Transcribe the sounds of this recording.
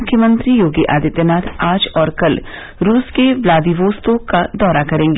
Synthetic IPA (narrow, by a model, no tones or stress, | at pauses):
ʊkʰjəmə̃nt̪ɾijoːɡiʔa̰ːd̪ɪt̪jənaːt̪ʰaːd͡ʒɔːɾkɐl | ɾuːskeʋlaːd̪iʋoːst̪õkad̪ɔːɾakɐɾẽːŋɡeː